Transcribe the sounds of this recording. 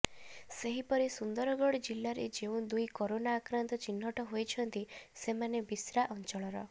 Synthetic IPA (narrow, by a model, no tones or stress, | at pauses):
seɦipɔɾisund̪ɔɾɔɡɔɽd͡ʒilːaɾed͡ʒeũd̪ujkoɾonaːkɾant̪ɔt͡ʃinːɔʈɔɦojt͡ʃʰɔnt̪isemanebisɾaʔɔnt͡ʃɔɭɔɾɔ̰